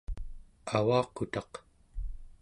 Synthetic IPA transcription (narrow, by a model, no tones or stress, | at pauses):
awɑːqut̪ɑq